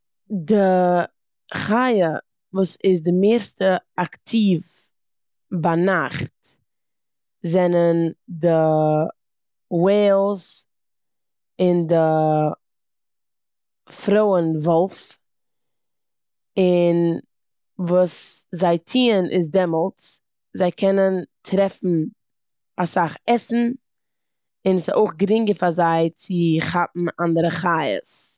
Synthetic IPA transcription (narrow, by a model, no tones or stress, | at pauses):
də | χajə | vuːsɪz̬dəmeːɾstəaktʰiːv | banaχt | zɛnəndə | weːlˠs | ɪndə | fɾoʊənvɔlˠf | ɪn | vuːszaɪtʰiːənʔɪ̰s̬dɛmɔlˠt͡s | zaɪkʰɛnəntʰɾɛfn̩ | asaχɛsn̩ | ɪnso̰ʊχɡəɾɪŋɡəfazaɪt͡sɪχap̚m̩andəɾəχaɪə̰s